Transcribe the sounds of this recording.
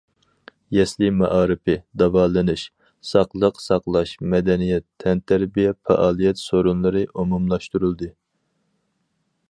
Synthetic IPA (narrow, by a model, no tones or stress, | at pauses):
jɛslɪmɑʔɑːɾɨpʰɨd̪ɑvɑlˠɨnɨʃ | sɑqlˠəqsɑqlˠɑʃmɛd̪ɛnijɛt̪ʰːɛnt̪ʰæɾbijɛfɛ̰ʔɑːlˠijɛt̪soɾunlˠɨɾɨʔomumlˠɑʃt̪uɾulˠd̪ɨ